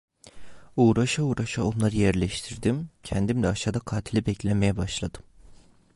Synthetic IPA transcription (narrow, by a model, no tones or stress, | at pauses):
uːɾaʃauːɾaʃao̞nlˠaɾɯjɛɾlʲɛʃt̪ʰiɾd̪imcʰɛnd̪imlɛaʃad̪akʰaːt̪ʰilʲibɛclʲemejɛbaʃlˠad̪̥ɯm